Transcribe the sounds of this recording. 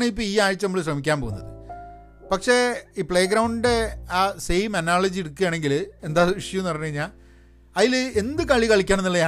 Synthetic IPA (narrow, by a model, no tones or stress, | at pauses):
ɳeip̬ːoːiːaːjt͡ɕːɐnɐmuɭɕ̬rɐmikʲːaːnpo̰ɣunːɐ̰ðɨ̰ | pɐkʂe̞ːiːpɭeːɡɾɐwɳɖɖeaːsejmɐnaːɭɐd͡ʑieɽukːuɣjaːɳe̞ŋɡile̞nd̪aːʋiʂjɐmnɐrɐnːeiɲːaː | ɐðile̞nd̪ɨkɐɭikɐɭikʲːaːnenːiɭːɐja